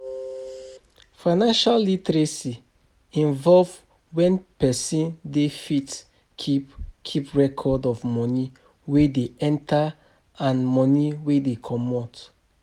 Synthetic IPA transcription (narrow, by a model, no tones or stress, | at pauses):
faɪnãnʃalːitɹesi | ĩnvɔlv | wɛ̃npɛsĩndefit | kʰipkʰipɹɛkʰɔdɔvmɔni | wedeɛ̃ntʰa | ãnmɔniwedekʰɔmɔt